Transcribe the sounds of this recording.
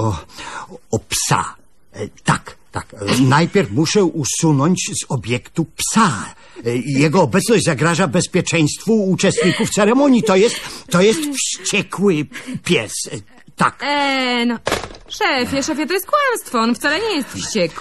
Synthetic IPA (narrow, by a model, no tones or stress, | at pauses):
ɔ | ɔpsa̰ | t̪a̰kt̪a̰knajpʲɛɾfmuʂɛʔusunɔɲt͡ɕzɔbʲjɛkt̪upsa | jɛɡɔːbɛt̪snɔʑd͡ʑʲzaɡɾaʐabɛspʲjɛt͡ʂɛj̃st̪fuut͡ʂɛst̪ɲikuft̪sɛɾɛmɔɲjit̪ɔjɛst̪t̪ːɔjɛst̪fɕt͡ɕɛkwɘpʲjɛs | t̪a̰knɔʂɛfʲjɛʂɛfʲjɛt̪ɔjɛst̪kwamst̪fɔɔnft̪salɛɲɛjɛst̪fɕt͡ɕɛk